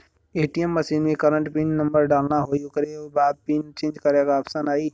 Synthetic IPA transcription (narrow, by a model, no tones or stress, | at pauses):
eːʈiəmːəsiːnmẽkəɾə̃ɳʈpiːnːə̃mbəɾɖaːlnaɦoːijõkəɾeoːbaːb̚piːnt͡ʃẽːnd͡ʒkəɾekaɐpsanaːiː